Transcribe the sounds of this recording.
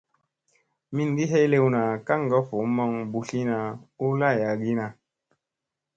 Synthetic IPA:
mi˦n˦di˦ɦe˦le˦wna˨ka˦ŋ˨ɡɔ˦fo˨mɔ˦ŋbu˨ɬi˦na˨u˦la˦˨ja˨ɡi˦na˨

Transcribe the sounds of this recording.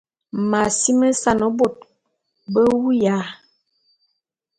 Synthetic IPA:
ma˨si˦mə˦sa˨nə˦bo˦˨t̚ | bə˦wu˦ja˨˦

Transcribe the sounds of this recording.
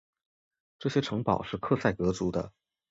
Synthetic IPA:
ʈ͡ʂɤ˥˩ɕjɛ˥ʈ͡ʂʰɤ˧˥ŋpɑ˨˩ʊʂɻ̩˥˧kʰɤ˥˧sa˥˩ɪkɤ˧˥t͡su˧˥d̪ə̰˧

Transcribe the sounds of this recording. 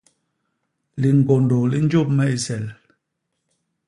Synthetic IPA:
li˨ŋ˨ɡo˨ndo˨li˦n˦d͡ʒo˦˨p̚mɛ˦i˨sɛ˨l

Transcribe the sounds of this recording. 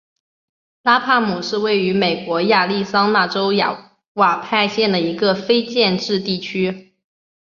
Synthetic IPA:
la˥pʰa˥˩mu˨˩ʂɻ̩˥˧we˥˩ɪy˧˥me˨˩ɪkwɔ˧˥ja˥˧li˥˩sɑ˥ŋna˥˩ʈ͡ʂo˥ʊja̰˨˩ | wa˨˩pʰa˥˧ɪɕjɛ˥˩nd̪ə˩i˧˥ɡə˧fe˥ɪt͡ɕjɛ˥˧nʈ͡ʂɻ̩˥˧t̪i˥˩t͡ɕʰy˥

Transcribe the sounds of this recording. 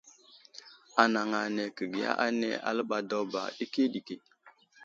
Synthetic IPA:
a˨na˨ŋa˨ne˨kə˨ɡi˨a̰˦ʔa˦nḛ˦a̰˨lə˦ɓa˨do˦ba̰˨ɗi˦ki˦ɗi˨ke˨

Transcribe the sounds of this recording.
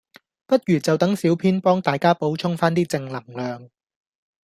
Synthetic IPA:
pɐ˥t̚jyː˨˩t͡sɐ˨wt̪ɐ˨˥ŋsiː˨˥wpʰiː˥npɔː˥ŋt̪aː˨jkaː˥po˨˥wt͡ʃʰʊ˥ŋfaː˥nt̪iː˥t͡sɪ˧ŋlɐ˨˩ŋlœː˨ŋ

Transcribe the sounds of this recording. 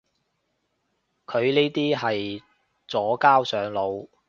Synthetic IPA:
kʰɵ˨˧ɥneː˥t̪iː˥ɦɐ˨j | t͡sɔː˨˥kaː˥wsœː˨˥ŋlo˨˧w

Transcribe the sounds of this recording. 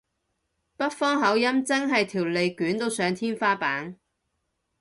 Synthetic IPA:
pɐ˥t̚fɔː˥ŋɦɐ˨˥wjɐ˥mt͡sɐ˥ŋɦɐ˨jt̪ʰiː˨˩wle˨jkyː˨˥nt̪o˧wsœː˨˧ŋt̪ʰiː˥nfaː˥paː˨˥n

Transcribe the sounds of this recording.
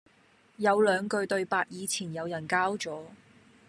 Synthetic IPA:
jɐ˨˧wlœː˨˧ŋkɵ˧ɥt̪ɵ˧ɥpaː˧t̚jiː˨˧t͡sʰiː˨˩njɐ˨˧wjɐ˨˩nkaː˥wt͡sɔː˨˥

